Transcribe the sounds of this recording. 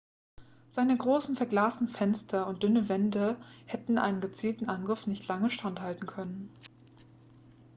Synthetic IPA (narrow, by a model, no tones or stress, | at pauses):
z̥aɪnəɡʁoːsn̩fɛɐɡlaːstn̩fɛnstʰɐʊnt̚d̥ʏnəvɛndəhɛtn̩ʔa̰ɪnənɡət͡siːltn̩ʔanɡʁɪfnɪçtʰlaŋəʃtʰanthaltn̩kʰœnən